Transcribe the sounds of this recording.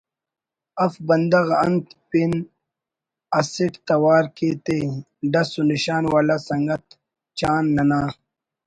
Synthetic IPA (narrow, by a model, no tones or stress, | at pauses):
ɐfbɐnd̪ɐɣɐnt̪pin | ɐsiʈt̪ɐwaːɾket̪e | ɖɐsuniɕaːnwaːlasɐŋɡɐt̪ | t͡ɕaːnːɐnaː